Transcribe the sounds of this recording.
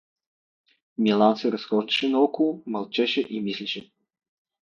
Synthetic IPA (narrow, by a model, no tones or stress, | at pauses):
mʲilˠant̪sɨɾɐsxɔʐd̪ɐʃɛnɐɔkolˠmɐlˠt͡ʃɛʃɛʔimislʲiʃɛ